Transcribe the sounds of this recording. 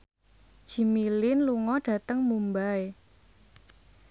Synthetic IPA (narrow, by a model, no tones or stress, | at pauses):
ʒ̥i̤milɪnluŋɔɖ̥ä̤t̪əŋmumbae